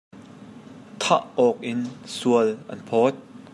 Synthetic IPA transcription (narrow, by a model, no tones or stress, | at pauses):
t̪ʰaʔɔk̚ʔɪnsuəlʔɐ̰npʰɔːt̪̚